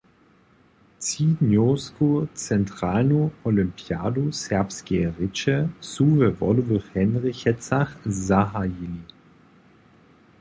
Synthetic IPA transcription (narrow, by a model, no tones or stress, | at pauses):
t͡sidnjoːskot͡sɛntʁ̥aːlnoɔlympja̰ːdusɛɐpskɛʁɪt͡ʃɛsuvɛvɔ̰luvəχhɛnʁɪçɛt͡saχzaɦajili